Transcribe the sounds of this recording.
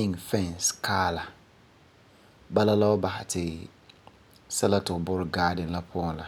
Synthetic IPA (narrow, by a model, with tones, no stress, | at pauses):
ɪ˦ŋfɛ˦˨nskʰaː˦la˨ | ba˦la˦la˦ʊ˦ba˨hɪ˨tʰɪ˨ | sɛ˦la˦tɪ˨ʊ˨bʊ˦ɾɪ˨ɡaː˦dɪ˨n˦la˦pʰʊ˦ɔ̃˨nla˨